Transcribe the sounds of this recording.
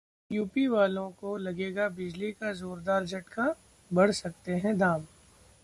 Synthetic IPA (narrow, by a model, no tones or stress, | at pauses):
juːpiʋaːlõkolɐɡeːɡabɪd͡ʒlikazoːɾd̪aːɾd͡ʒʱɐʈka | bɐɽ̤sɐk̚t̪eɦɛ̃d̪aːm